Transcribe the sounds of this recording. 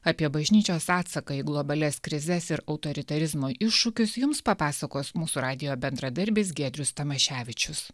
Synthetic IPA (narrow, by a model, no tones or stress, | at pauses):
ɑːpʲiɛbɐʒʲnʲiːt͡ʃʲoːsɑːt̪sɐkɐɪɡlˠɔbɐlʲɛskɾʲɪzʲɛsɪɾɐʊt̪oːɾʲɪt̪ɐɾʲɪzmoːʔɪʃːʊkʲʊsjʊmspɐpɑːsɐkoːsmuːsuɾɑːd̪ʲɪjoːbʲɛnd̪ɾɐd̪ɐɾʲbʲeːsɡʲeːd̪ʲɾʲʊst̪ɐmɐʃʲæːʋʲɪt͡ʃʲʊs